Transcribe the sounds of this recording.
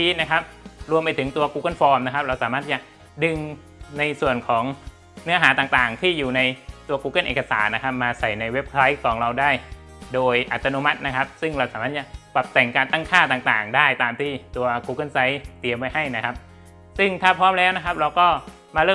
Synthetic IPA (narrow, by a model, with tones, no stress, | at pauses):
iː˦˥t̪̚na˦˥kʰa˦˥p̚ɾu˧əmpa˧jt̪ʰɯ˩˦ŋt̪u˧ɐkuː˧ka˥˩nfɔː˧mna˦˥kʰa˦˥p̚ɾa˧wsaː˩˦maː˥˩t̪̚t͡ɕa˨˩ʔ | dɯ˧ŋ | na˧jsu˨˩ənkʰɔː˩˦ŋ | nɯ˦˥ɐɦaː˩˦t̪aː˨˩ŋt̪aː˨˩ŋt̪ʰiː˥˩juː˨˩na˧jt̪u˧ɐkuː˧ka˥˩nʔeː˨˩kːa˧saː˩˦nːa˦˥kʰa˦˥p̚maː˧sa˨˩jna˧jwe˦˥p̚kʰsa˦˥jkʰːɔː˩˦ŋɾa˧wdaː˥˩j | doː˧jʔa˨˩t̪ːa˧noː˧˥ma˦˥t̪̚na˦˥kʰa˦˥p̚sɯ˥˩ŋɾa˧wsaː˩˦maː˥˩t͡ɕa˨˩pa˨˩p̚t̪ɛ˨˩ŋkaː˧nt̪a˥˩ŋkʰaː˥˩t̪aː˨˩ŋt̪aː˨˩ŋdaː˥˩jt̪aː˧mt̪ʰiː˥˩t̪u˧ɐkuː˧˥ka˥˩˨nsa˦˥jt̪i˧əmpa˧jha˥˩jna˦˥kʰa˦˥p̚ | sɯ˥˩ŋt̪ʰaː˥˩pʰɾɔː˦˥mlɛː˦˥wna˦˥kʰa˦˥p̚ɾa˧wkɔː˥˩ | maː˧ɾɤː˥˩